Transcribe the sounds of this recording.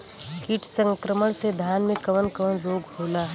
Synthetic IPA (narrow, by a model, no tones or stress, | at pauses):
kiʈʰsə̃ŋkɾəməɽ̃sed̪ʱjaːnmẽkɐʋənkəʋənɾoːɡɦoːlaː